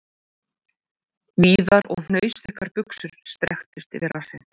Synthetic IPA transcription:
viːðaɾɔ̰ɣn̥œːɥsθɪhkaɾpʏksʏɾ̥st̪ɾɛxt̪ʏst̪ɪvɪɾḁsɪ̰n

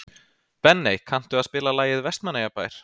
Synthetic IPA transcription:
pɛnːejkʰan̥t̪ʏaðspɪːlalaːjɪðvɛst̪manːajapaːjɾ̥

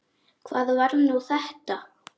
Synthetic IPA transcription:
kʰvaːðvaɾnuθɛht̪a

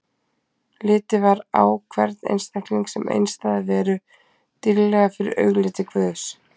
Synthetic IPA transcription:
lɪːt̪ɪvaɾawkʰvɛɾt̪nḛjnst̪akliŋksɛmʔḛjnst̪aðɪvɛːɾʏ | t̪ɪlːɛːɣafɪɾɪ̰ɾœːɥɣlɪːt̪ɪkʰvœːs

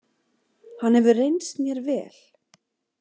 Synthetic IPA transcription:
hanhɛvʏrejnst̪mjɛɾvɛ̰ːl̥

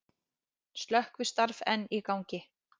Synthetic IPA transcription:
st̪lœhkvɪ̥st̪aɾvɛnːikawɲcɪ

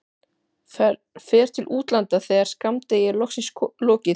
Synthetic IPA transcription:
fɛːɾ̥t̪ʰɪlʔuːt̪lant̪aθejɣaɾ̥skamt̪eːjɪlɔxsɪslɔːcɪ

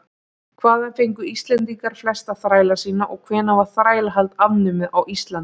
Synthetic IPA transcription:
kʰvaːðafejŋkʏist̪lɛnt̪iŋkaɾ̥flɛst̪aθɾaːjlḁsiːnaʔɔɣkʰvɛːnavaɾ̥θɾaːjlaɦalt̪avnʏmɪðawist̪lan

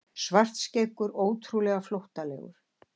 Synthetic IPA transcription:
svar̥t̪sceːkʏɾoːwt̪ʰɾulɛɣaflowht̪alɛ̰ːɣʏ̰ɾ̥

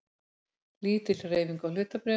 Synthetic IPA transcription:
liːt̪ɪl̥rejviŋkawlʏːt̪apɾɛ

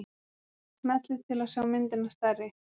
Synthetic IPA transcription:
mɛt̪lɪðt̪ʰɪlawsawmɪnt̪ɪnast̪arːɪ

